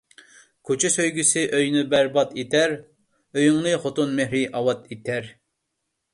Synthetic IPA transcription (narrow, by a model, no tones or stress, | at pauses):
kʰot͡ʃʰɪsøjɡʲysɪʔøjnybæɾbɑt̪et̪ʰæɾ | øjyŋnɨχot̪unmehɾɪʔɑwɑt̪et̪ʰæɾ